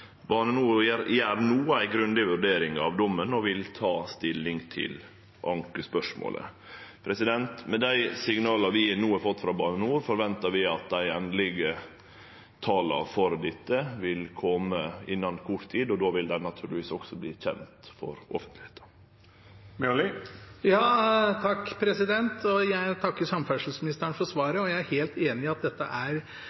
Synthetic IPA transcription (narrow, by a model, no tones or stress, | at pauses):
bɑːnənuːɾəɾæɾnuːəæɪɡɾʉnd̪ɪʋʉɖeːɾɪŋɑ̰ʋd̪ɔmːənɔʋɪlt̪ʰɑːst̪ɪlːɪŋt̪ʰɪ̰l | ʔɑŋkəspœʂmo̰ːlʔə̰ | pʰɾɛsɪd̪ɛnt̪mɛd̪æɪsɪŋnɑːlɑʋɪnuːɑɾfɔt̪ːfɾɑbɑːnənuːɾfɔɾʋɛnt̪ɑɾʋɪɑt̪̚d̪æɪɛnd̪lɪɡə | t̪ʰɑːlɑ̰ɾfɔɾd̪ɪt̪ːəʋɪlkʰɔməɪnːɑnkʰʊʈt̪ʰiːd̪ɔd̪oːʋɪld̪æɪnɑt̪ʰʉːɾlɪʋiːsɔksɔbliːçɛ̰nt̪fɔ̰ɾɔfənt̪lɪheːt̪ə̥ | mɛlɪjɑːt̪ʰɑkːpʰɾɛsɪd̪ɛnt̪ɔjæɪt̪ʰɑkːəɾsɑmfæʂəl̩smɪnɪst̪əɳfɔɾsʋɑːɾəɔjæɪæɾheːlt̪eːnɪɑt̪̚d̪ɛt̪ːəʔæɾ